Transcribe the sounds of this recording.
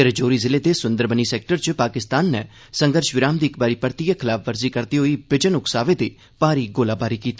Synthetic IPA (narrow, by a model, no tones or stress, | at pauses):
eɾd͡ʒoːɾiːzɪleːd̪eːsʊ̃nd̪əɾbəniːsɛːk̚ʈəɾt͡ʃpaːkɪst̪aːnːɛː | sə̃ŋɡəɾʃʋɪɾaːmd̪iːɪkbaːɾiːpəɾt̪ijakʰɪlaːpʰʋəɾziːkəɾt̪iːɦoiːbɪd͡ʒənʊksaːʋeːd̪eː | paːɾiːɡoːlaːbaːɾiːkiːt̪i̥ː